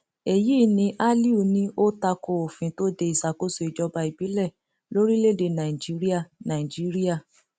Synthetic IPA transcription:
e˨jiː˦nĩ˧ʔa˦li˦u˦˨nĩ˦o˦ta˧ko˧o˨fĩ˧˦to˦de˧i˨sa˨ko˦so˧i˨d͡ʒɔ˧ba˧i˨bi˨˦lɛ˦˨ | lo˦ɾi˦le˦˨de˧nã˨i˨d͡ʒi˦ɾi˦a˦˨nã˨i˨d͡ʒi˦ɾi˦a˦˨

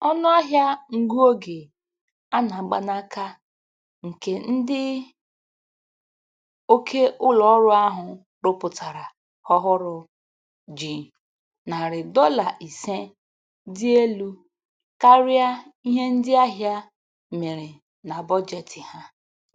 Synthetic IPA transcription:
ɔ˦nʊ˦a˦ɦja˦ŋ̩˨ɡu˦o˦ɡe˨ | a˦na˨ɡ͡ba̰˦na˦ka˦ | ŋ̩˨ke˨n̩˦dɪ˦ | o˦kʰe˦ʔʊ˦lɔ˨˦ɾʊ˦a˦ɦʊ˨ | ɾʊ˦pʊ˨ta˨ɾa˨ | hɔ˦ɦʊ˦ɾʊ˨ | d͡ʒi˨ | na˨ɾɪ˨dɔ˦la˨ʔi˨se˦ | dɪ˦e˦lu˦ | ka˦ɾɪ˦a˦i˦ɦe˦n̩˦dɪ˦a˦ɦja˦ | me˨ɾɪ˨ | na˨bɔ˦d͡ʒe˨tɪ˨ha˦

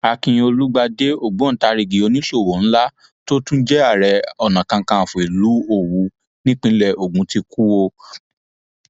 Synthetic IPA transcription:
a˧kĩ˧o˧lu˦ɡ͡ba˧de˦o˦˨ɡ͡bũ˨˦ta˧ɾi˨ɡi˨o˧nĩ˦ʃo˦˨wo˨n̩˦la˦ | to˦tũ˦d͡ʒɛ˦a˦˨ɾɛ˧ɔ˨nã˨kã˧kã˧˨fũ˨i˨lu˨˦o˦˨wu˧˦ | nĩ˦k͡pĩ˦lɛ˦˨ʔo˨ɡũ˨˦ti˧ku˦wo˧

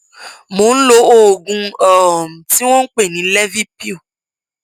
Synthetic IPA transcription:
mo˨˦n̩˦lo˧˦o˦˨ɡũ˧ɔ˨m̩˨ti˦w̃ɔ̃˦k͡pe˦˨nĩ˨˦lɛ˦vi˦pi˦o˦˨

